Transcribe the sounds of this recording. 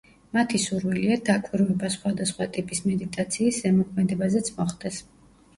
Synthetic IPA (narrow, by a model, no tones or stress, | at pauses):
mat̪ʰisuɾwiliad̪akʼiɾvɛbasχwad̪asχwat̪ʼipʼismɛd̪it̪ʼat̪sʰiːsʃɛmɔkʰmɛd̪ɛbazɛt̪sʰmɔχd̪̥ɛs